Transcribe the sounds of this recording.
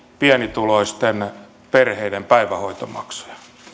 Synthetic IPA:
piɛnit̪uloist̪en | perheidempæiʋæhoit̪omɑ̰ksu̥jɑ̥

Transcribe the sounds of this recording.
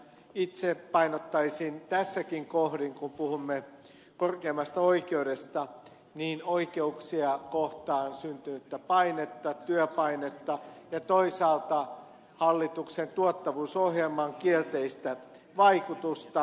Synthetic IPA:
it̪sepɑinot̪ːɑisint̪æsːækiŋkohdiŋkumpuhumːe | korkeːmːˑɑst̪ɑoikeudest̪ɑ | niːnoikeuksiɑkoht̪ɑːnsynt̪ynyt̪ːæpɑinet̪ːɑt̪yøpɑinet̪ːɑjɑt̪oisɑːlt̪ɑ | hɑlːit̪uksent̪uot̪ːɑʋuːsohjelmɑŋkielt̪eist̪æ | ʋɑikut̪ust̪ɑ

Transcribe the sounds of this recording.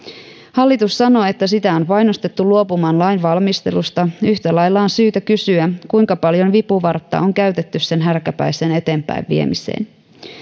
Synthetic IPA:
hɑlːit̪usːɑno̞ːe̞t̪ːæsit̪æo̞npɑjnost̪et̪ːuluo̞pumɑːnlɑjnʋɑlmist̪e̞̰lust̪ɑyçt̪ælɑjlːɑonsyːt̪ækysyækujŋkɑpɑljo̞nʋipuʋɑrt̪ːɑ̰oŋkæɥt̪et̪ːysse̞nɦærkæpæ̰jse̞ːne̞t̪e̞ːmpæ̰jʋʋḭḛmisḛːn

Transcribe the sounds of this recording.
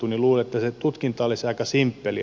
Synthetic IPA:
uniluːlet̪ːæset̪ut̪kint̪ɑolːisɑikɑsimpːeli

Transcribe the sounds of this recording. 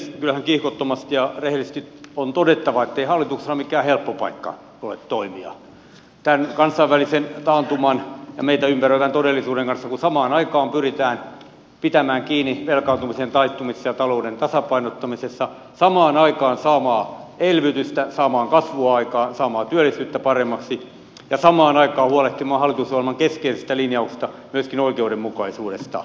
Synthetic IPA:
skylhæŋkihkot̪ːomɑst̪jɑrehelist̪it̪ont̪odet̪ːɑʋɑet̪ːeihɑlːit̪uksesɑmikæːhelpːopɑ̰ikːɑ̰ | olḛt̪t̪ːoimiɑ̰ | t̪ænkɑnsˑɑiʋʋælisent̪ɑːnt̪umɑnjɑ̰meit̪æympærøiʋænt̪odelːˑisuːdeŋkɑnsːɑkusɑmɑːnɑikɑːmpyrit̪æːn | pit̪æmæːŋkiːniʋelkɑːnt̪umisent̪ɑist̪umisːɑjɑt̪ɑloudent̪ɑsɑpɑinot̪ːɑmisesːɑ | sɑmɑːnɑikɑːnsɑːmɑːelʋyt̪yst̪æsɑːmɑːŋkɑsʋuɑɑikɑːnsɑːmɑːt̪yølːˑisyːt̪ːæpɑremːɑksi | jɑsɑmɑːnɑikɑːhuɑleht̪imɑːhɑlːˑit̪usʋoɑlmɑŋkeskeisest̪ælinjɑukse̥st̪ɑmyøskinoikeudemmukɑisuːdest̪ɑ̰

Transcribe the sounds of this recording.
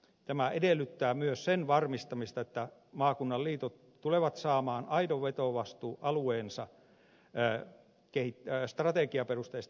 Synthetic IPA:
t̪æmæedelːˑyt̪ːæːmyøssenʋɑrmist̪ɑmist̪ɑet̪ːæmɑːkunːɑlliːt̪ot̪ | t̪uleʋɑt̪sɑːmɑːnɑidoʋʋet̪oʋɑst̪uːʔɑlueːnsɑ | kehit̪st̪rɑt̪ekiɑperust̪eːst̪

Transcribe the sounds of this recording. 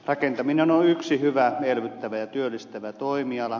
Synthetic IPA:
rɑkent̪ɑminenoyksihyʋæelʋyt̪ːæʋæjɑt̪yølːist̪æʋæt̪oimiɑlɑ

